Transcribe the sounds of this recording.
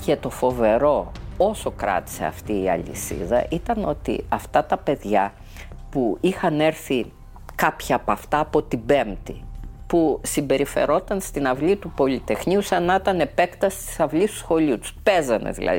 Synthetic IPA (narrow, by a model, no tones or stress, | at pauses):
cet̪o̞fo̞ve̞ɾo̞o̞so̞kɾɐ̰t̪i̥se̞̰ɐ̰ft̪iːɐ̰lḭsḭðɐ̰ʔit̪ɐno̞t̪ḭɐft̪ɐt̪ɐpe̞ðʝɐ | puixɐne̞ɾθi | kɐpçɐːpɐft̪ɐːpo̞t̪ibe̞mt̪ipusimbe̞ɾife̞̰ɾo̞t̪ɐnst̪inɐvlit̪upo̞lit̪e̞xniusɐnɐt̪ɐne̞pe̞kt̪ɐst̪i̥sɐvlist̪u̥sxo̞liut̪u̥spezɐnḛðḭlʔɐ̰ði